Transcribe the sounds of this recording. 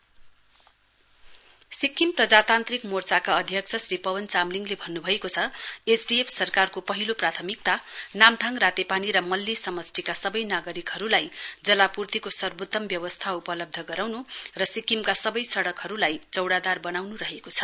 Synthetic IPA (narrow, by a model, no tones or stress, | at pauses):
sikːimprʌd͡zat̪ant̪rikmort͡sakaʌd̪ʱjʌk̚t͡sʰʌsripʌwʌnt͡samliŋɡlebʱʌnːubʱʌekot͡sʰʌesɖiepʰsʌrkarkopʌɦiloprat̪ʰʌmik̚t̪anamd̪ʱaŋrat̪epaniɾʌmʌlːisʌmʌsʈʰikasʌbʌjnaɡʌɾikɦʌɾulajd͡zʌlapurt̪ikosʌrbut̪ːʌmbjʌwʌst̪ʰaupʌlʌb̚d̪ʱʌɡʌɾawnurʌsikimkasʌbʌjsʌɽʌkɦʌɾulajt͡sʌwɽad̪arbʌnawnuɾʌɦekot͡sʰʌ̥